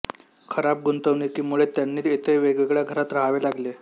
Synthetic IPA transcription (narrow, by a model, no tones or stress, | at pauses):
kʰəɾap̚ɡunt̪əʋniːkiːmuɭet̪janːiːet̪ʰeʋeɡeɡɭjaɡʱəɾat̪ɾaɦʋelaɡle